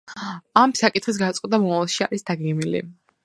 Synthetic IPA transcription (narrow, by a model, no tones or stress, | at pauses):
amsakʼit̪χis̬ɡat̪sʼɛt̪amɔmavlˠʃia̰ɾisd̪aɡɛɡmilḭ